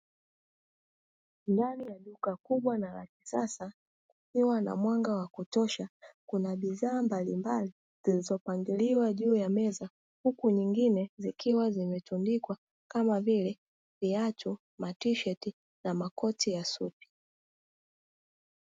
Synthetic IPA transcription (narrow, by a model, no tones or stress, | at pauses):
ndanijaɗukakuɓwanaɾa̰ki̥sasa | kukiwana̰mwaŋɡawakutɔʃakunaɓiðaːmbalimbali | zilizɔpaŋɡiliwaʄuːjamɛza | hukuɲiŋɡinɛzikiwazimɛtundikwa | kamavilɛ | viatu | matiʃɛti | namakɔtijasupi̥